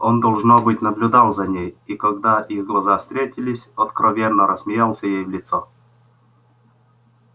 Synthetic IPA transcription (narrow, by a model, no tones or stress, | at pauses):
ond̪ɐlˠʐnobɨtʲnəblʲʊd̪alˠzɐnʲejikɐɡd̪aʔiɣɡlˠɐzafst̪ɾʲetʲɪlʲɪsʲɐt̪kɾʔɐvʲenːəɾʔəsmʲɪjalˠsʲəjejvlʲɪt̪so